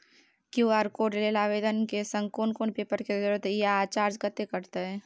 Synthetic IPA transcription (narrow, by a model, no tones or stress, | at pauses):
kjuaːɾkoːɖlelaːʋeːd̪ənkesə̃ŋkoːnkoːnpeːpəɾkezɪɾət̪jat͡ʃaːɾd͡ʒkət̪ekəɾt̪aɦɛ̃ː